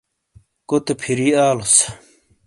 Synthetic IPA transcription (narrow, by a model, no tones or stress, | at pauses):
kot̪epʰiɾiaːlos